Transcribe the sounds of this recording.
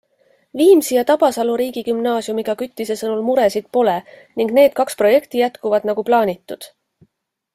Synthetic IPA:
viːmsijɑt̪ɑb̥ɑsɑluɾiːɡ̥ikymnɑːsiumiɡ̥ɑkyt̪ˑːise̞sɤnulmuɾe̞sid̪̥po̞le̞ | niŋɡne̞ːd̪̥̚kɑkspro̞je̞kt̪ijæt̪kuvɑd̪̥nɑɡ̥uplɑːnʲit̪ːˑud̪̥

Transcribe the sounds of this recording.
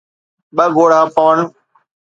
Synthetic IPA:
ɓəɡoːɽ̤aːpəʋəɳ

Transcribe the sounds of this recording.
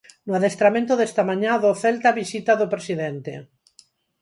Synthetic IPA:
noaðest̪ɾamẽnt̪oðɛst̪amãɲãðoθɛlt̪aβisit̪aðopɾesiðent̪ḛ

